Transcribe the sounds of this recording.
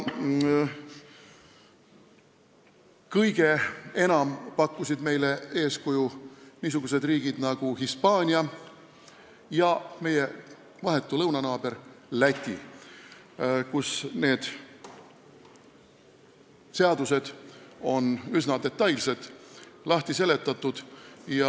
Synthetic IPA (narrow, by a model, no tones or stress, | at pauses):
kɤjɡ̥e̞e̞nɑmpɑkːˑusid̪me̞jle̞e̞ːskujuniːs̬uɡ̥use̞d̪riːɡ̥id̪̥nɑɡ̥uhispɑːnʲiɑ | jɑme̞je̞ | vɑɦe̞t̪ːˑulɤwnɑnɑːb̥e̞ɾlæt̪ʲːˑḭ | kusne̞ːd̪̥ | se̞ɑd̪use̞d̪̥o̞nysnɑd̪̥e̞t̪ːˑɑjlsed̪̥lɑht̪ise̞le̞t̪ːˑɑt̪ːˑud̪̥jɑ